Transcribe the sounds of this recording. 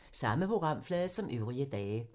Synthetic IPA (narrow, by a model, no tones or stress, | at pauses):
sɑ̈məpʰʁoɡ̥ʁɑ̈m̰flɛːðˠsɒ̽mʔøʊʁiəd̥ɛː